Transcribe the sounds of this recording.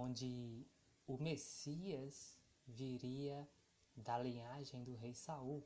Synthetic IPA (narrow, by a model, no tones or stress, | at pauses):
õd͡ʒɪ | ʊmesiɐz | viɾiɐ | d̪ɐlĩaʒẽj̃d̪ʊɦejsauw